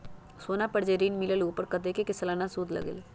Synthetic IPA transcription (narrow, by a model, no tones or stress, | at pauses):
soːnapɐɽd͡ʒeɾiːnmɪləluːpəɾkɐt̪ekekɪslanasuːd̪lɐ̰ɡɪ̰l